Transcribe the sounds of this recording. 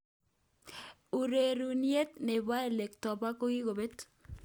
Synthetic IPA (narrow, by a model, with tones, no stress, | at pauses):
u˨ɾe˨ɾu˨ni˦e˦t̪ne˨βwa˦e˨le˨ktɔ˨ba˦ko˦ɣi˦ɣo˨βe˦t